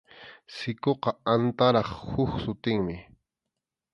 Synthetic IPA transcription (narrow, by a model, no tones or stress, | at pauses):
sɪkoqɑant̪aɾɑχhʊxsʊt̪ɪŋmɪ